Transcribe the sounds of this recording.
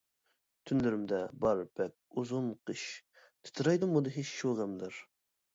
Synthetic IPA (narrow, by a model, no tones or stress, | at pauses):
t̪ʰynlɪɾɪmd̪ɛbɑɾpɛk̚ʲuzunqʰəʃ | t̪ʰɪ̥t̪ʰɨɾɑjd̪ɨmud̪ɨɦet͡ʃʃuʁɛmlˠɨɾ